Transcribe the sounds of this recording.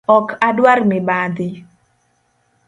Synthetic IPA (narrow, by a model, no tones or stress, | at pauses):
ɔkʰadwarmɪbad̪ɪ